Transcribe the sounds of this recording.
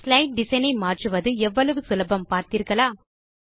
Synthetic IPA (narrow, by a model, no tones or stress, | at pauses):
slɐɪʈ̚ɖɪsɐɪnɐɪmaːʈrɯʋɐðɯɛʋːɐɭɐʋɯsʊlɐbɐmpaːɾt̪iːɾkɐɭaː